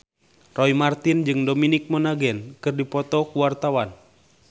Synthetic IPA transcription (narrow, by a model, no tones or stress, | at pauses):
rɔimart̪ind͡ʒɨŋdominik̚mɔnaɡɛnkɨrdipɔt̪ɔkuwart̪awan